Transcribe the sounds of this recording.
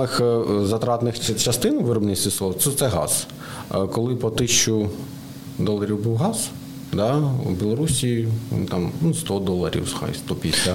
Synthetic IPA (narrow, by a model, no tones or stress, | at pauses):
ɪxzɐt̪ɾɑt̪nɪxt͡ʃɐst̪ɪnʊʋɪɾɔbnʲisʲt̪ʲislˠɔʋt̪sɛt̪sɛɦɑ̰z̥ | kɔlˠɪpɔt̪ɪʃt͡ʃʊ | d̪ɔlˠːɐɾʲiwbuwɦɑz̥ | d̪ɑubʲilˠɔɾusʲiḭnʲt̪ɑmnust̪ɔd̪ɔlˠɐɾʲḭwsxɑ̰jst̪ɔpʲisʲlʲɐ